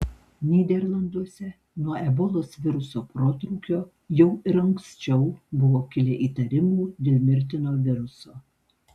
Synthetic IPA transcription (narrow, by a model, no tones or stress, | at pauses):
nʲiːd̪ʲɛɾlˠɐnd̪uɔsʲɛ | nuɐɛbɔlˠoːsʋʲɪɾʊsoːpɾoːt̪ɾuːkʲoː | jɛʊɪɾɐŋksʲt͡ʃʲɛʊbʊʋoːkʲɪlʲeʔiːt̪ɐɾʲɪmuːd̪ʲeːlʲmʲɪɾʲt̪ʲɪnoːʋʲɪɾʊsoː